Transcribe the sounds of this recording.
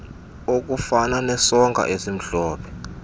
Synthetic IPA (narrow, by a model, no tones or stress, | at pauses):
ok̬ufananɛsɔŋɡʱa̰ʔesim̩ɬɔːpʰɛ̥